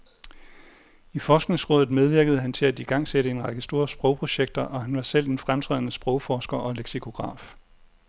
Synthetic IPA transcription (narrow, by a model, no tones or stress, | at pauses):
ifɒːsɡ̥ne̝ŋsʁɔ̽ːðˠð̩ˠmeð̞ˠʋiɐɡ̥əð̞̩ˠɦænt͡sʰe̝læd̥iɡ̥ɑ̈ŋ̰seɾəe̝nʁɑ̈ɡ̥əsd̥o̝ːɐsb̥ʁɔʊpʰʁo̝ɕeɡ̥̚d̥ɐʔɒ̽ɦænʋɑ̈sel̰d̥enfʁamt͡sʰʁɛ̰ð̰ˠnəsb̥ʁɔʊfɒːsɡ̥ɐʔɒ̽leɡ̥sikʰo̝ɡ̥ʁɑ̰̈ːf